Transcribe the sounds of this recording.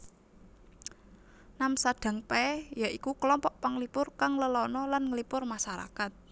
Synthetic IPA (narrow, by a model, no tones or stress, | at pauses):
namsaɖ̥a̤ŋpɛjaʔikukəlɔmpɔʔpaŋlipʊrkaŋləlɔnɔlanŋlipʊrmaʃaɾa̰kat̪̚